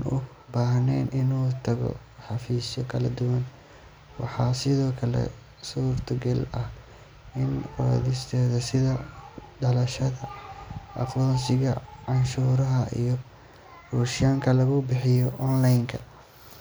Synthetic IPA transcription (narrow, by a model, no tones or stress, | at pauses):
nʊ̰ | baːɦnɛjnɪnuːt̪ʰɐɣɔ̰ | ħɑfiːsɔkʰɐlɐd̪ʊwɐn | wɑ̰ħɑːsɪðɔːkʰɐlɛ̰ | suːrt̪ʰɐɡɛlɐh | ɪnɔ̰ðɪst̪ʰɛːðɐsɪðɐɖɐlɐʃɐðɐʔɐ̰fɔnsɪɣɐʕɑnʃuːɾɐɦɐʔḭjɔ | ruːʃjaːŋkʰɐlɐɣʊbɪħɪjɔʔɔnlajŋkʰɐ